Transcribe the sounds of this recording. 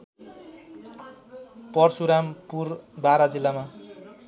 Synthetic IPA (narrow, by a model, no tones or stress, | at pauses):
pʌrsuɾampurbaɾad͡zilːama